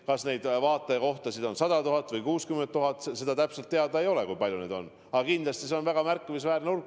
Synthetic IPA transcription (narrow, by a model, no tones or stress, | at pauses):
kɑsne̞jd̪̥vɑːt̪ːˑeko̞ht̪ɑsid̪o̞nsɑd̪ɑt̪uɦɑt̪ːˑvɯjkuːskyment̪ːuɦɑt̪ːˑsese̞d̪ɑt̪æpselt̪ːeɑd̪ɑe̞jo̞lekujpɑlʲjune̞ːd̪o̞̰n | ɑɑkind̪lɑst̪ise̞o̞nvæɡ̥ɑmærkːivis̬væːɾneulɡ